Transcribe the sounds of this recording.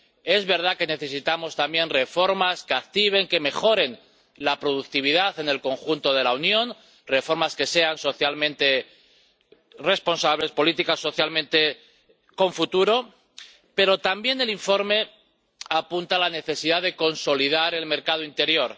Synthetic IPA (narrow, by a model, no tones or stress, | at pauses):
e̞zβe̞ɾð̞ake̞ne̞θe̞sit̪amo̞st̪ambje̞nre̞fo̞ɾmaske̞ak̚t̪iβ̞e̞ŋke̞me̞xo̞ɾe̞n | lapɾo̞ðuk̚t̪iβ̞iðaθe̞ne̞lko̞ŋxunt̪o̞ð̞e̞launjo̞n | re̞fo̞ɾmaske̞se̞anso̞θjalmẽnt̪e̞ | respo̞nsaβle̞spo̞lit̪ikasːo̞θjalmẽ̞nt̪e̞ | ko̞ɱfut̪uɾo̞ | pe̞ɾo̞t̪ambje̞ne̞liɱfo̞ɾme̞ | apunt̪alane̞θe̞siðaðe̞ko̞nso̞lið̞aɾe̞lme̞ɾkað̞oint̪e̞ɾjo̞ɾ